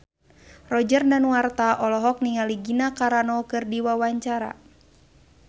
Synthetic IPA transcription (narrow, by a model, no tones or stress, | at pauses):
rɔd͡ʒərdanwart̪aʔɔlɔɦɔk̚niŋaliɡinakaɾanɔkɨrdiwawaɲt͡ʃaɾa̰